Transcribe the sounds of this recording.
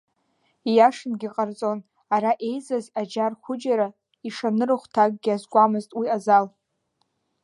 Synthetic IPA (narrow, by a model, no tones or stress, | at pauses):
ijaʂɨnɡʲiqʼart͡sʼo̞n | aɾaʔe̞jzazad͡ʒarχʷʊd͡ʒaɾa | iʂanɨrɨχʷtʰaɡ̚ʼɡʲiazɡʷʼamɨztʼwiazal